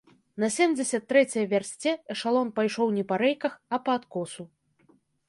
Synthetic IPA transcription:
nɐsʲemʲd͡zʲɛsʲɐt̪ːɾɛt͡sʲɐjɐvʲarsʲt͡sʲɛʂalˠɔnpajʂɔwnʲɛpɐɾɛjkɐxɐpɐːt̪kɔsu

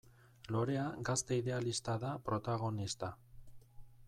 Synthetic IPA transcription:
lo̞ɾe̞aɡast̪eiðe̞alist̪aðapɾo̞t̪aɣ̞o̞nist̪a

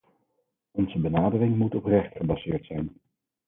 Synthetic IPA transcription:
ɔnzəbənaːdərɪŋmutɔprɛχtχəbɑzɪːɹtsɛjn

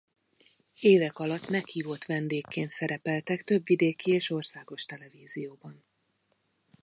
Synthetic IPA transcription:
eːvɛkɒlɒt̪ːmɛkhiːvo̞t̪ʋɛnd̪eːkːeːnt̪sɛɾɛpɛlt̪ɛkt̪ø̞bvid̪eːkieːʃo̞rsaːɡo̞ʃt̪ɛlɛviːzijoːbɒn

